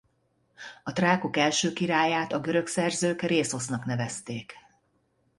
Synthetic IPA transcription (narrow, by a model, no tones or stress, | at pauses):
ɒt̪raːkokɛlʃøːkiɾaːjaːt̪ɒɡø̞ɾø̞ksɛrzøːkreːso̞snɒknɛvɛst̪eːk